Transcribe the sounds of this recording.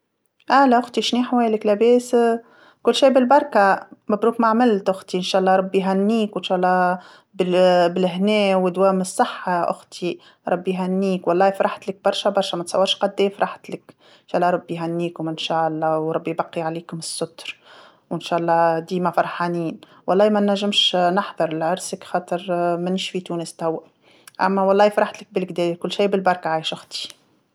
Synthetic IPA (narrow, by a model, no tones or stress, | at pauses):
ʔæːlæʔʊxt̪iʃniːħwɛːjlɪklæbɛːs | kʊlːʃiːbɪlbɑɾˤkamæbɾuːkmaʕmɪlt̪ʔʊxt̪iɪnʃæːʔɑlˤːɑːɾˤɑbːiɦænːiːkwɪnʃaːʔlˤːɑː | bɪbɪlɦnɛːwɪd̪wæːmɪsˤːɑħːaʔʊ̰xt̪ʰi | ɾˤɑbːiɦænːiːkwɑlˤːɑːfɾˤaħt̪lɪk̚bɑɾˤʃabɑɾˤʃamæt̪sˤɑ̰wːɑɾˤʃqɑd̪ːɛːfɾˤɑħt̪lɪk | nʃɑːʔɑlːɑɾˤɑbːiɦænːiːkʊmɪnʃaːʔɑlˤːɑːwɾˤɑbːijbɑqːiʕaliːkʊmɪsːʊt̪ɾ | wɪnʃaːʔɑlˤːɑːd̪iːmæfɑɾˤħaniːn | wɑlˤːɑːmænæʒːɪmʃnɑħðˤɑɾˤɪlʕʊɾsəkxɑːt̪ˤɨɾmænɪʃfit̪uːnəst̪æwːa | ʔæ̰mːæwɑlˤːɑːjfɾˤaħt̪lɪk̚bɪlkd̪ɛːkʊlːʃiːbɪlbɑɾˤkʕaːjɪʃʔʊxt̪i̥